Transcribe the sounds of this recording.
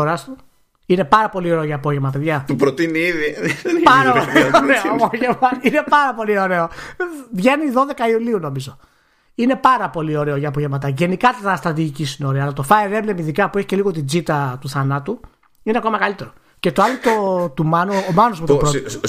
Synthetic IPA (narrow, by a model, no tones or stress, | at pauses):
oɾɐst̪u | ine̞pɐɾɐpo̞lio̞ɾeoʝɐːpo̞ʝe̞vmɐpe̞ðʝɐt̪upɾot̪iniiðipɐɾoɾeoɐpoʝevmɐine̞pɐɾɐpo̞lio̞ɾe̞o̞vʝeniðo̞ðe̞kɐiuliuno̞mizo̞ | ine̞pɐɾɐpo̞lio̞ɾe̞o̞ʝɐːpo̞ʝevmɐt̪ɐʝe̞nikɐt̪tɐst̪ɾɐt̪̬iʝicisinoɾeɐlɐt̪o̞fɐeɾevlemiðikɐpue̞çi̥ce̞liɣo̞t̪id͡zit̪ɐt̪uθɐnɐt̪u | ineɐko̞mɐkɐlit̪e̞ɾo | ce̞t̪oɐlot̪ot̪umɐnoomɐnozmut̪opɾ